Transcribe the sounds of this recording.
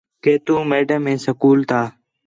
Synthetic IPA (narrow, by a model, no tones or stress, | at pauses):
keːt̪ũːmeːɖəmːẽːsəkuːlt̪ʰaː